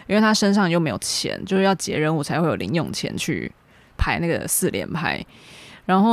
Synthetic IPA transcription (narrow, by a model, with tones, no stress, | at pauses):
i˥nwe˥˩t̪ʰa˥ʂə˥nʂ̬ɑ˥˧ŋt͡ɕjo˥˩ʊme˧˥ɪjo˨˩ʊt͡ɕʰjɛ̰˧˦nt͡ɕjo˥˧ʊʂɻ̩˥˩jɑ˥˩t͡ɕjɛ̰˧˥ɻə˦nu˥˩t͡sʰa˧˥ɪxwe˥˩ɪjo˨˩˨li˧˦ŋjʊ̰˨˩ŋt͡ɕʰjɛ̰˧˥nt͡ɕʰy̰˥˩ | pʰa˥ɪna˥˩ɡə̰˩sɹ̩˥˨ljɛ̰˧˥npʰa̰˥ɪɻa˧˦nxo˥˩˨